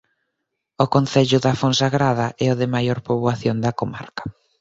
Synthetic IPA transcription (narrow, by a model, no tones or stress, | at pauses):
ʊkonθɛʎʊðafonsaɣɾaðɐʔɛʊðɪmajoɾpoβwaθjond̪ɐkoma̰ɾkɐ̥